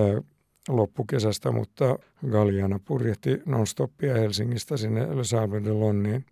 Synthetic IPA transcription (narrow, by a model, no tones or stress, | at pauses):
lopːukesæst̪æmṵt̪ːɑ | ɡɑljɑnɑpurjeht̪inonst̪opːiɑhelsiŋːist̪æsinːḛsɑːledelonːiːn